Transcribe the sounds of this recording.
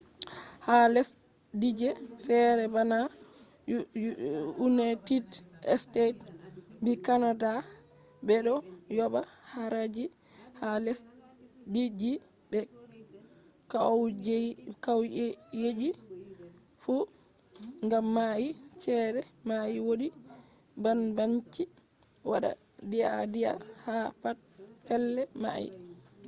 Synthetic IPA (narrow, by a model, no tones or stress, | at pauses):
halɛs | did͡ʒɛfɛɾɛbana | unajtid | ɛ̰stet | bikanada | bɛɗɔjɔɓa | haɾad͡ʒi | halɛs | did͡ʒi | bɛ | kawd͡ʒkawjed͡ʒi | fu | ŋɡamːait͡ʃɛɾɛ | majiwoɗi | banbaɲt͡ʃi | waɗa̰ | dia̰dia̰hafat̚ | fɛlːɛma̰jḭ